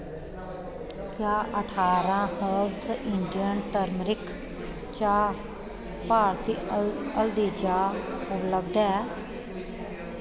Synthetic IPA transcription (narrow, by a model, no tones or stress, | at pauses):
kjaːʔəʈʰaːɾãːhəbsəʔɪɳɖijənʈəɾmɾɪkʰ | t͡ʃaː | paːɾt̪iːəld̪iːt͡ʃaːʊpləbd̪ɛː